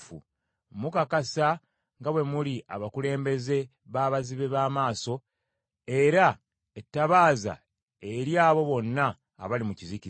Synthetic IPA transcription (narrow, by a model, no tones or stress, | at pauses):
fṵ | mukakasa | ŋɡaβwe̞mulia̰βakule̞ːmbe̞ze̞ | βaːβaziβe̞βaːmaːso̞ | e̞ɾa | etːaβaːza̰ | eɾjaːβo̞βo̞nːa̰ː | βalimucizici